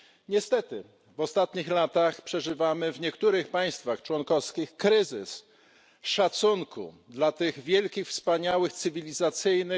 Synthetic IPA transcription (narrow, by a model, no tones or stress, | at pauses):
ɲɛst̪ɛt̪ɘ | vɔst̪at̪ɲixlat̪axpʂɛʐɘvamɘvɲɛkt̪uɾɘxpaj̃st̪faxt͡ʂwɔnkɔfskʲixkɾɘzɘ̰s | ʂat̪suŋkʰṵ | d̪lat̪ɘɣvʲjɛlkʲixfspaɲawɘxt̪sɘvʲilʲizat̪sɘjnɘ